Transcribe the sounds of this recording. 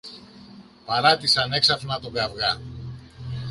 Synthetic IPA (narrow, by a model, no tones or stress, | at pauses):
pɐɾɐt̪isɐne̞ksɐfnɐt̪oveɐvɣɐ